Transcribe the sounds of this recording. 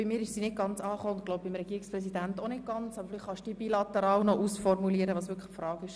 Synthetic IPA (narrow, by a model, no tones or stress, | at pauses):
b̥imɪːɾɪʃsinɪɡ̥ɑnt͡sɑːχoːʊnd̪̚ɡloʊb̚bɪmɾɛɡ̥iəɪksprɛs̬id̪ænt̪onɪt̚ɡ̥ɑnt͡sɑb̥əflɪχχɑʃd̥iːbilɑt̪ɛɾɑːwnɔʔusfɔrmuliəɾəʋɑːsʋʏɾkʰə̥fɾɑːɡɪʃ